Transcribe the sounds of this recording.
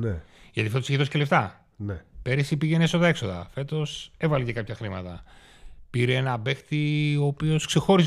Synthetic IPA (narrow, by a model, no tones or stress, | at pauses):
neʝɐt̪ifoseçiðo̞sceleft̪ɐ | nepe̞ɾisipiʝe̞nesoðɐe̞kso̞ðɐ̰fe̞t̪o̞sevɐlecekɐpçɐxɾimɐt̪ɐ̰ | piɾeenɐbe̞xt̪ioːpio̞skse̞xo̞ɾis